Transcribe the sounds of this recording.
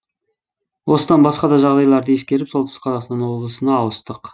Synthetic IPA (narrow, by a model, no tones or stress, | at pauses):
wo̞səd̪ɑnbɑsqɑd̪ɑʒɑʁd̪ɑjlˠɑɾd̪əe̞s̬kʲe̞ɾɪpso̞lˠt̪əsə̥qʰɑzɑqst̪ɑnwo̞blˠəsənɑːwəst̪əq